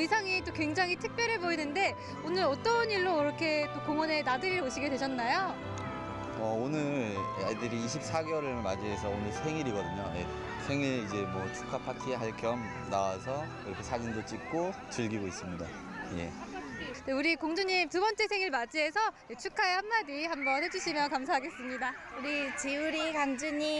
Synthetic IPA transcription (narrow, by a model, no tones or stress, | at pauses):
isʰaŋit͈okwe̞ŋd͡ʑaŋitʰɯk̚p͈jʌɾɦeboinɯnde̞ | onɯɾʌt͈ʌniɭːoiɾʌkʰe̞t͈okoŋʌne̞nadɯɾiɾoɕʰiɡedweɕʰʌnːajo | ʌonɯɭja̰ɭdɯɾiːɕ̬ʰip̚s͈aɡewʌɾɯmad͡ʑiɦe̞sʰʌonɯɭsʰe̞ŋiɾiɡʌdɯɲoje̞̰ | sʰe̞ŋiɭid͡ʑe̞mwʌt͡ɕʰu̥kʰapʰatʰieɦaɭkʰjʌm | nawasʰʌ | iɾʌkʰe̞sʰad͡ʑindot͡ɕ͈ik̚k͈o | t͡ɕɯɭɡiɡois͈ɯmɲidaje̞̰ | deuɾikoŋd͡ʑuɲimtubʌnt͡ɕ͈e̞sʰe̞ŋiɭmad͡ʑiɦe̞sʰʌ | et͡ɕʰukʰaehamːadihambʌnhe̞d͡ʑuɕʰimjʌnkams̬ʰaɦaɡe̞s͈ɯmɲidauɾit͡ɕiuɾikand͡ʑɯɲi